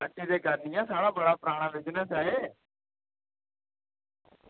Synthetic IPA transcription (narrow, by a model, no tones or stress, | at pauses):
əʈid̪eːkaɾnijãsaːɽaːbəɽapɾaːɽ̃aʋɪd͡ʒnəsaːɦeː